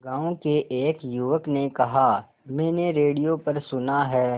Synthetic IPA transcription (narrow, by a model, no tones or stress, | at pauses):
ɡãːõkeʔeːkjuʋəknekɐɦa | mɛ̃ːneɾeːɽijopɐɾsʊnaɦɛː